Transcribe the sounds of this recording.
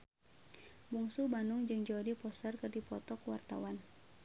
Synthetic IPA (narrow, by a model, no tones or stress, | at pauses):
buŋsubanʊŋd͡ʒɨŋd͡ʒɔdipɔsərkɨrdipɔt̪ɔkwart̪a̰wan